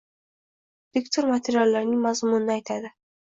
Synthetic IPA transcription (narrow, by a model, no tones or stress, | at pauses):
v̥ɪkt̪ʰoɾmat̪ʰeɾjalːaɾnɪŋmazmʊnɪnɪajt̪ʰad̪ɪ